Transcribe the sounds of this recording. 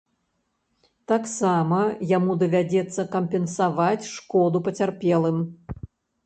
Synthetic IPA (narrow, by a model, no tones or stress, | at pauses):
t̪aksamɐjamud̪ɐvʲad͡zʲɛt̪sːɐkɐmʲpʲɛnsavat͡sʲʂkɔd̪upɐt͡sʲarpʲɛlˠɨm